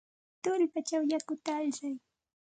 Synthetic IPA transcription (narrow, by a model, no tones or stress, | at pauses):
t̪ʊlpat͡ʃawjakʊt̪aːʎsaj